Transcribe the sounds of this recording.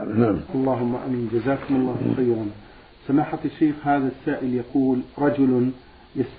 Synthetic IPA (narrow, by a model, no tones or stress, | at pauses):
namʔɑlˤːɑːɦʊmːaʔa̰miːnd͡ʒazaːkʊmʊlˤːɑːhl̰xijɾuːn | samaːħatʃːeːxhaːðasːaːʔɪljaquːlɾˤɑd͡ʒʊl | jas